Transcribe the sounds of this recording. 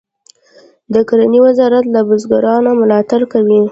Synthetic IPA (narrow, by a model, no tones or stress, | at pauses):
d̪əkaɾaniwɪzɑɾat̪labʊzɡaɾɑnamʊlɑt̪aɾkawi